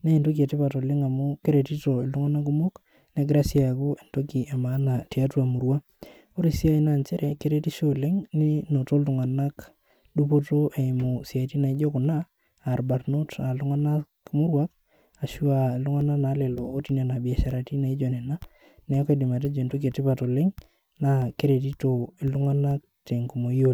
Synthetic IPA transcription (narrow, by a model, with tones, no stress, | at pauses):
ne˦i˨nto˦k̬i˨e˨tɪ˦pa˨to˨le˦ŋa˨mʊ˦ke˦ɾe˨ti˦to˨ɪ˨ltu˦ŋa˦na˦k̬ʊ˦mo˦k | ne˦ɡɾa˦si˦a˨ku˦e˨nto˦ki˨ʔa˨ma˨˦na˨ti˨a˦twa˨mu˨ɾwa˦ | o˦ɾisi˦a˦i˨na˦˨nt͡ʃɛ˦ɾɛ˨ke˦ɾe˦ti˦ʃo˦le˦ŋni˦no˨to˦ltʊ˨ŋa˨na˦k | du˦p̬o˦to˦ʔe˨mu˨si˨a˨i˨ti˦na˨i˦d͡ʒo˦kʊ˨naː˦˨ | ɾba˨ɾno˦ta˨lu˦ŋa˦na˦kmʊ˦ɾwa˦k̚ | a˨ʃu˦a˨lʊ˦ŋa˦na˦na˨˦lɛ˨loː˨˦ti˨na˨na˨bi˨a˨ʃa˦ɾa˨ti˦na˨i˦d͡ʒo˨nɛ˨na˦ | nɛ˨˦kdɪ˨ma˨t̬e˦d͡ʒɔ˨nto˦k̬i˨e˨tɪ˦pa˨to˨le˦ŋ | na˦ke˦ɾe˨t̬i˦to˨ɪ˨ltʊ˦ŋa˦na˦k̚te˨ŋku˨mo˨˦o˦l